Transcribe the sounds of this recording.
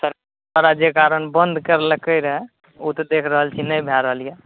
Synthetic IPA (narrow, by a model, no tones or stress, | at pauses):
səɾk | əɾad͡ʒekaɾənbənd̪ʱkəɾləkəɪɾɦɛ | ut̪ɔd̪ekʰɾəɦəlt͡ʃʰinəjbʱjaɾəɦəlije